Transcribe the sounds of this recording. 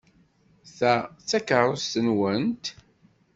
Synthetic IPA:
θæt͡sːækəɾˤost̪ənwənt̪

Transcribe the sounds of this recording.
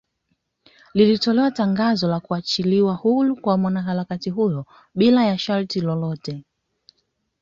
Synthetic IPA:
lilitɔlɛwataŋɡazɔlakuat͡ʃiliwahulukwamwanaɦaɾakatiɦujɔ | ɓilajaʃaɾtilɔlɔtɛ

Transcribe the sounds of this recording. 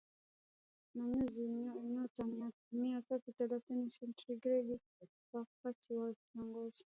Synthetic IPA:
namɛziinaɔtama | miatatut̪ɛlaθinisɛntɾiɡɾɛɡi | wak̚atʰiwakiɔŋɡɔzi

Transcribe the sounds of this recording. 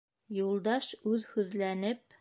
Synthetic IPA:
julˠd̪ɑʃʉðhʉðlænɘp̚

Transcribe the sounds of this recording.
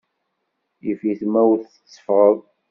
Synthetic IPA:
jifiθmæwθə̥t͡sːə̥fʁəðˤ

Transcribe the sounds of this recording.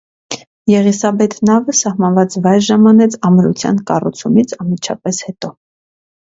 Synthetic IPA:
jɛʁisɑbɛt̪ʰnɑvəsɑhmɑnvɑt͡svɑjɾʒɑmɑnɛt͡sʰɑmɾṵt͡sʰjɑ̰nkɑrṵt͡sʰumit͡sʰɑnmit͡ʃʰɑ̰pɛshɛt̪ɔ

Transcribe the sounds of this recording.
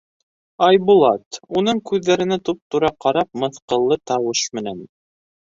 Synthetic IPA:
ɑjbulˠɑt̪un̪ɤɴkʉðːæɾɘ̆næt̪up̚t̪uɾɑqɑɾɑp̚mɤ̆θqɤ̆lˠːɤt̪ɑwɤʃmɘ̆næn

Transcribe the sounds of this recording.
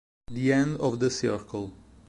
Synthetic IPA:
d̪iɛ̃ndɔvd̪əsɪɹkʰəlˠ

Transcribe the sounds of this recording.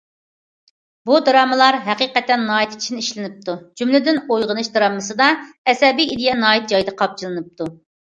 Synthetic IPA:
bud̪ɾɑːmɨlˠɑɾɦɛqiqɛt̪ːɛnːɑːit̪ʰi̥t͡ʃʰinɪiʃlɪnɪp̚t̪ʰud͡ʒymlɪd̪ɪnojʁənɨʃd̪ɾɑːmːɨsɨd̪ɑɛsɛbijid̪ɨjɛnɑːit̪̚d͡ʒɑjd̪ɨqʰɑp̚t͡ʃʰɨlˠɨnɨp̚t̪ʰu

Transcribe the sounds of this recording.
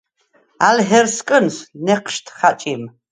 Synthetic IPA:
alɦɛrskʼɨnsnɛqʃtʰχat͡ʃʼim

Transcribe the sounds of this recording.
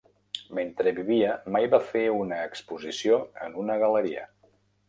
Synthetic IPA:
ment̪ɾəβiβiəmajβafeunəːkspuzisioə̰nunəɣələɾiə̰

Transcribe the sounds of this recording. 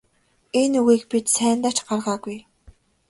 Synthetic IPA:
enuɣiːkpit̪sæːnt̪aːt͡ɕɢarʁaːɡuj

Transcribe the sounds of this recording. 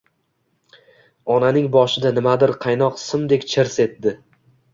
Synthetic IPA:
ɒnanɪŋbɒʃɪd̪anɪmad̪ɪɾqʰɑjnɒqsɪmd̪e̞kʲt͡ʃʰɪɾse̞t̪ːdɪ

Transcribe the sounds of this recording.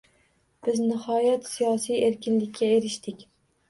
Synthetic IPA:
b̥ɪznɪhɒjat̪sijɒsijeɾkʲɪnlɪkʲːaeɾɪʃt̪ɪkʲ

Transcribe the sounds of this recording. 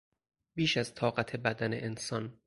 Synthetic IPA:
b̥iːʃæz̥t̪ʰɒːɢæt̪ʰe̞bæd̪ænḛʔensɒːn

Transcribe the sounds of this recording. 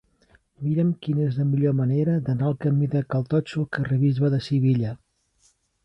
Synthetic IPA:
miɾəmkinezləmiʎoməneɾəd̪ənaəlˠkəmiðəkəlˠt̪ɔt͡ʃukərəβizβəðəsiβiʎə

